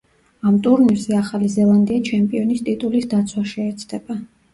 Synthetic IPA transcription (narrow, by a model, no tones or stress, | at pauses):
amt̪ʼuɾnilzɛaχalizɛlˠand̪iat͡ʃʰɛmpʼiɔnist̪ʼit̪ʼulisd̪at̪sʰwaʃɛːt̪sʰd̪ɛba